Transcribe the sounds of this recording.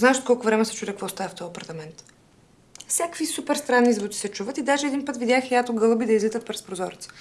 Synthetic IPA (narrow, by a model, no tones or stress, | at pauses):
znaɛʃt̪kɔlˠkʊvɾɛmɛsɛt͡ʃud̪ɛkvɔst̪avəft̪ɔɐpɐɾt̪ɐmɛnt̪ | fsʲjakvisupɛɾst̪ɾanːizvut̪i̥sɛt͡ʃuvət̪id̪aʒɛːd̪inpɤt̪vid̪ʲjaxjat̪oɡɤlˠəbid̪ɐizlit̪ət̪̚pɾɛspɾozɔɾit̪sə̥